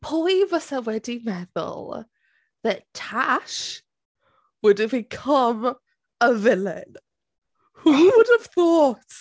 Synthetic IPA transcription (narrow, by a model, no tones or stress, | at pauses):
pʰɔɪvəsəwɛdimɛðə̰lˠ | ðəttʰaʃ | wʊdəvbɪkʰʌ̃m | əvɪlɪ̰̃n | huwʊdəv̥θɔˑt